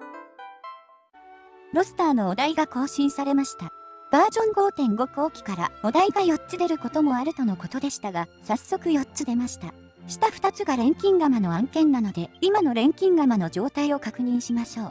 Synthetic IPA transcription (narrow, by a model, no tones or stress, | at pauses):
ɾo̞sɨ̥t̪aːno̞ːd̪aiɡako̞ːɕĩɰ̃saɾe̞maɕi̥t̪ab̥aːd͡ʑõ̞ŋɡo̞ːt̪ẽ̞ŋɡo̞kɯ̟oːkʲi̥kaɾa̰od̪aiɡajo̞tt͡sːɨd̪e̞ɾɯ̟ko̞t̪o̞mo̞aɾɯ̟t̪o̞no̞kot̪o̞d̪e̞ɕi̥t̪aɡasasːo̞kɯ̟jo̞tt͡sɨd̪e̞maɕi̥t̪a | ɕi̥t̪aɸɯ̥t̪at͡sɨɡaɾẽ̞ŋkʲĩŋɡamano̞ãŋkẽ̞nːano̞d̪e̞imano̞ɾẽ̞ŋkʲĩŋɡamano̞d͡ʑo̞ːt̪aio̞kakɯ̟ɲ̟ĩɰ̃ɕimaɕo̞ː